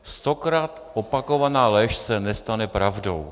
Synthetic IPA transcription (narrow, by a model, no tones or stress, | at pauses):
st̪o̞kɾaːt̪ʔopako̞vanaːlɛʃsɛnɛst̪anɛpɾavdo̞̰w